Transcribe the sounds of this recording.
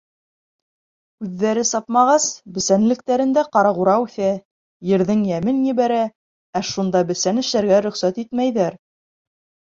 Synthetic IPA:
ʉðːæɾɘsɑpmɑʁɑsbɘ̆sænlɘ̆k̚t̪æɾɘ̆nd̪æqɑɾɑʁuɾɑʉθæ | jɘ̆ɾðɘŋjæmɘnjɘ̆βæɾæ | æʃund̪ɑbɘ̆sænɘ̆ʃlæɾɡæɾɵ̆χsæt̪it̪mæjðæɾ

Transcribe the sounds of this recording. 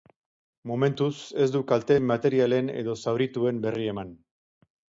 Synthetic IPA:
mo̞me̞nt̪use̞sd̪ukalt̪e̞mat̪e̞ɾiale̞ne̞̰ðo̞sawɾit̪ue̞mbe̞rie̞man

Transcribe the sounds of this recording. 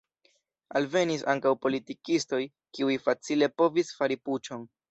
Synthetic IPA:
alve̞nisaŋkawpo̞litikisto̞j | kiujfat͡sile̞po̞visfaɾiput͡ʃo̞n

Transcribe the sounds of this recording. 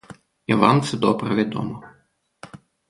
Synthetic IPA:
iʋa̰mt̪sɛd̪ɔbɾɐʋʲid̪ɔ̰mɔ

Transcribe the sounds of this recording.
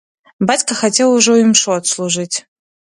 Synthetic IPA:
bat͡sʲkɐxatʲelˠuʐɔimʂɔɐt̪slˠuʐɨtʲ

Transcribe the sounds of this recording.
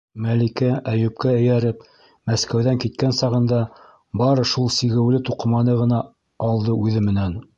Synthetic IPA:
mælikæʔæjʉp̚kæɘ̆jæɾɘp | mæskæwðæŋkit̪̚kænsɑʁɤ̆nd̪ɑ | bɑɾɤʃulˠsiɣɘ̆wlɘt̪uqɤ̆mɑnɤʁɤ̆nɑː | lˠd̪ɤʔʉðɘmɘ̆næn

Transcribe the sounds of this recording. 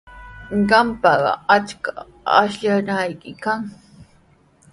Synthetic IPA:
ɢɑmpɑɢɑ̰at͡ʃka | a̰ʃʎanajkɪkaŋ

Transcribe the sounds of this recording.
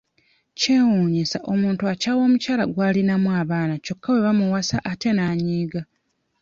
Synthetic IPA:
ce̞ːwuːɲisaʔo̞muːntuacaːwo̞ːmucaːlaɡwaːlinamwaβaːnaco̞kːawe̞βamuwasaʔate̞naːɲiːɡa

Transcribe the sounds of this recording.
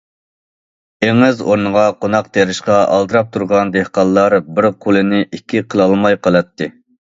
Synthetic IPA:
eŋɪzo̰ɾnəʁɑqʰonɑq̚t̪ʰeɾɪʃqɑʔɑ̰lˠd̪ɨɾɑp̚t̪ʰuɾʁɑnd̪ehqɑlˠːɑɾbɪɾqʰolˠɨnɪʔikʲʰːiqʰəlˠɑlˠmɑjqʰɑlˠɑt̪ʰːɨ

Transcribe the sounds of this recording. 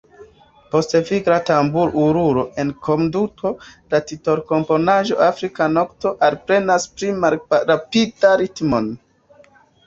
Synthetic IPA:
po̞steviɡɾatambuɾuɾuɾo̞ʔe̞nkʰo̞nduto̞latito̞ɾko̞mpo̞naʒo̞̰ʔafɾikano̞kto̞ʔalpɾe̞naspɾimalɾapidaɾitmon

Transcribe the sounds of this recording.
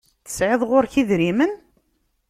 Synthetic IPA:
θə̥sʕɪðˤʁʊɾçiðɾimən

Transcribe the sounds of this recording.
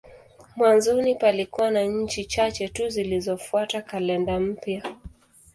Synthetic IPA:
mwanzɔnipalikuwanaɲ̩t͡ʃit͡ʃat͡ʃɛtuzilizɔfuatakalɛndam̩pja

